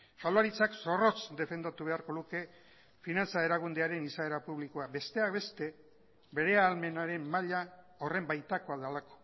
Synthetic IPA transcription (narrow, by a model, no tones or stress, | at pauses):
ʃalaɾit͡sakso̞ro̞t͡sd̪e̞fe̞nd̪at̪uβ̞e̞aɾko̞ðuke̞ | finant͡sae̞ɾaɣund̪eaɾe̞nisaeɾapuβlikoabe̞st̪e̞akβe̞st̪e̞ | be̞ɾe̞aːlme̞naɾe̞mːaʎa | o̞re̞mbajt̪ako̞aðalako̞̥